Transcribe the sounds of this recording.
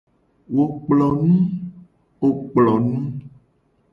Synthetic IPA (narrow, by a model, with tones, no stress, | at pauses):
wo˨k͡plɔ˨nũ˦ | o˨k͡plɔ˨nũ˦